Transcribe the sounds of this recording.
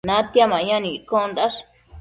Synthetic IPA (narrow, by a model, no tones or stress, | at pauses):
nãt̪jamãɲãnĩikond̪aʂ